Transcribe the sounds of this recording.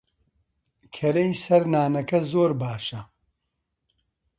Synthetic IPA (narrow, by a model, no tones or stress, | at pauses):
kʰɐɾejsɐɾnaːnɐkɐzoːɾbaːʃɐ